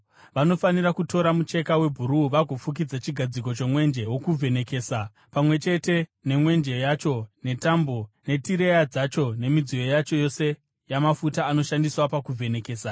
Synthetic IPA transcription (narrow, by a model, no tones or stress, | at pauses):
ʋano̞faniɾakuto̞ɾamut͡ʃe̞kawe̞bʱuɾuʋaɡʱo̞fuk̬id͡zat͡ʃiɡʱad͡zik̬o̞t͡ʃo̞mwe̞nd͡ʒe̞wokuvʱe̞ne̞ke̞ːsa | pamwe̞t͡ʃe̞te̞ne̞mwe̞nd͡ʒejat͡ʃo̞ne̞tambo̞ne̞tiɾe̞jad͡zat͡ʃo̞ne̞mid͡zijo̞jat͡ʃo̞jo̞se̞ | jamafutaːno̞ʃandiswapakuvʱe̞ne̞ke̞ːsa